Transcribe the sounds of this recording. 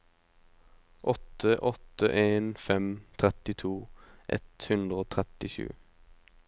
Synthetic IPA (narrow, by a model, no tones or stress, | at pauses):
ʔɔt̪əʔɔt̪əʔeːnfɛmt̪ʰʁɛt̪ɪt̪ʰuːʔɛ̰t̪hʉnd̪ʁəoːt̪ʰʁɛt̪ɪʃʉ̰ː